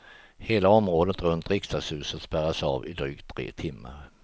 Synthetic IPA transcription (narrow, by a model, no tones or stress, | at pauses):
heːlaɔmɾoːd̪ət̪ɾɵnt̪ɾɪkst̪ashʉ̟ːsət̪spæɾasɑ̰ːvɪd̪ɾyːk̚t̪ʰːɾḛːt̪ʰɪmːa̰ɾ